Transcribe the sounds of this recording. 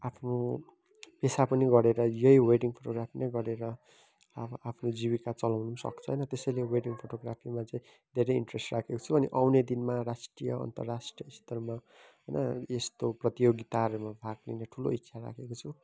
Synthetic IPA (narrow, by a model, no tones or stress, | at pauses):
apʰno | pesapʌniɡʌɾeɾʌjʌjweʈiŋpʰoʈoɡrapʰinʌjɡʌɾeɾʌ | ʌbʌapʰnod͡ziβikat͡sʌlawnusʌ̰kt͡sʰʌɦʌjnʌt̪esʌjleweʈiŋpʰoʈoɡrapʰimat͡saĩ | d̪ʱeɾʌjiɳʈresʈrakʰekot͡sʰubʌniʔawned̪inmaɾasʈrijʌ̰ʌ̰nt̪ʌ̰rːasʈriʌist̪ʌrma | ɦʌjnʌest̪oprʌt̪ijoɡit̪aʌɾemabʱak̚nineʈʰulo̰itːsʰaɾa̰kʰekot͡sʰu